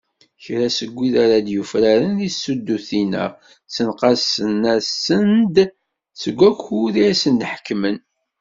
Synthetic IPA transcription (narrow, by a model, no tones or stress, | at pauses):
çɾasəɡʷːiðaɾad̪jufɾæɾənðisːud̪ːuθinə̰ʁ | sənqɑsənæsənd̪ | səɡʷːækuðiæsənd̪ħə̥kːmən